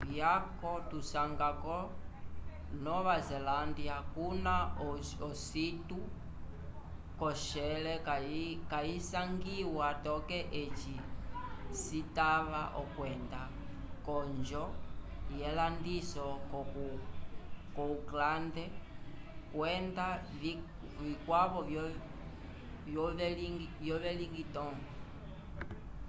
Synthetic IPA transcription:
jakɔtusaŋɡakɔ | nɔβazɛlandiakunaɔɔsitu | kɔʃɛlɛkakaisaŋɡiwatɔkɛʔet͡ʃi | sitaβaʔɔkwɛnda | kɔɲd͡ʒɔjɛlandisɔk | kɔuklandɛ | kwɛnda | ʋikwaβɔ | j | ʋjɔʋɛliŋɡitɔŋɡɔ

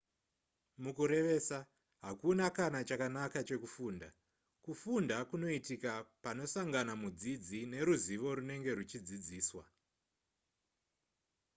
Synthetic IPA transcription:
mukuɾe̞ʋe̞ːsa | ɦakunakanat͡ʃakanakat͡ʃe̞kufuːnda | kufundakuno̞itikapano̞saŋɡanamud͡zid͡zine̞ɾuziʋo̞ɾune̞ŋɡe̞rut͡ʃid͡zid͡ziːswa

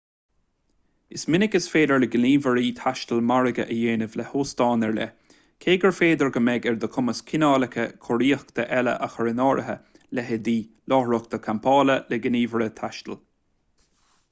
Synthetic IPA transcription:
ɪsmɪnɪkəsfeːd̪əɹləɡɪniːvəɹiːt̪ʰaʃt̪əlmaɹəɡə̰ʔəjeːnəvlɛhoːst̪ɑːnɛɹlɛ̰ | kʰeːɡəɹfeːd̪əɹɡəmɛɡɛɹd̪əkʰʊməskʰɪnɑːləkʰəkʰɔɹiːəxkt̪əʔɛlə̰ʔaxəɹɪnɑːɹʔəɦə̰ | lɛɦəd̪iː | lɑːɹʊkt̪əkʰampʰɑːləlɛɡəniːvəɹət̪ʰaʃt̪ə̰l

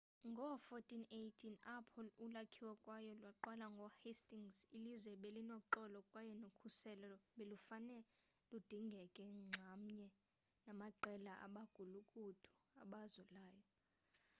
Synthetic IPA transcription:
ŋɡʱɔfɔtʰʼinejtʰinapʰɔlulakʰiwakʼwajɔlwaǃwalaŋɡʱɔhestʼiŋsilizwɛɓelinoǃɔlɔkʼwajɔnokʰusɛlɔɓelufanɛlud̥ʱiŋɡʱɛkʼɛŋ͡ǀʱam̩ɲɛ | namaǃɛlaʔa̰ɓaɡ̥ʱulukʼud̥ʰʱu̥a̰ɓazɔlaːjɔ

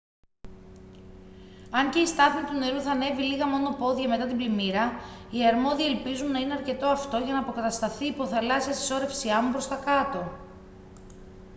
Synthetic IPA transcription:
ɐɲce̞ist̪ɐθmit̪une̞ɾuθɐne̞viliɣɐmo̞no̞po̞ðʝɐme̞t̪ɐt̪iblimiɾɐiɐɾmo̞ðiɐelpizunːɐine̞ɐɾce̞t̪oɐft̪o̞ʝɐnɐːpo̞kɐt̪ɐst̪ɐθiːpo̞θɐlɐsiɐst̪i̥so̞ɾe̞fsiɐmupɾo̞st̪ɐkɐt̪o̞

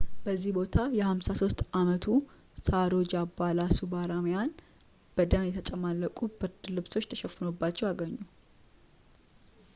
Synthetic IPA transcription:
bəzːihbo̞t̪ʰajɛhamsaso̞st̪amət̪ʰu | saɾod͡ʒabalasubaɾamjan | b̥əd̪amjɛt̪ʰət͡ʃʼəmalːəkʼubɨɾd̪lɨβso̞t͡ʃːt̪ʰəʃɛfːɨnobːat͡ʃːɛwaɡəɲːu

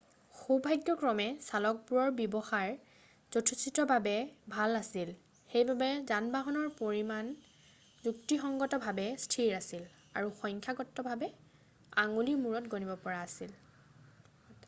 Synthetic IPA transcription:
xobʱajɡjɔkɹɔmɛsalɔk̚puɹɔɹbjɔbɔxaɹ | z̥otʰusitɔbʱabɛbʱalasil | xejbabɛzanbaɦɔnɔɹpoɹiman | zuk̚tixɔŋɡɔtɔbʱabɛstʰiɹasil | a̰ɹuxɔjŋkʰjaɡɔtːɔbʱabɛ | aŋulimuɹɔtɡonibɔpɔɹaːsil

